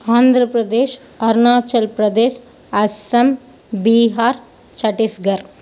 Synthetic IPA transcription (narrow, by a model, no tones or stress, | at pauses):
aːnd̪ʱɾɐpɾɐd̪eːʃ | ɐɾnaːt͡ʃɐlpɾɐd̪eːʃ | ɐsɐm | biːɦaːɾ | t͡ʃɐʈisɡɐɾ